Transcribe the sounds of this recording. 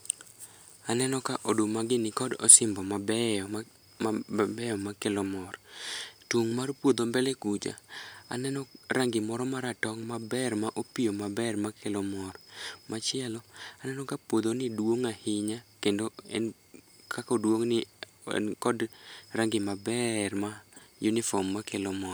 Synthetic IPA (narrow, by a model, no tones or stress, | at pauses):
anɛnɔkaʔodomaɡɪnɪkɔdɔ̰sɪmbɔmabɛ | bɛjɔmakelɔmɔrtoŋmarpwod̪ombɛlekud͡ʒa̰a̰nɛnɔraŋɡɪmɔɾɔmaɾatɔŋmabɛrmaʔopijomabɛrmakelɔmɔɾɔmʔat͡ʃɪɛlɔanɛnɔkapwod̪onɪdwoŋahɪɲakendoɛ̰n | kʰakɔdwoŋnɪ̰ | kɔdraŋɡɪmabɛrmajunɪfɔmːakelɔmɔɾ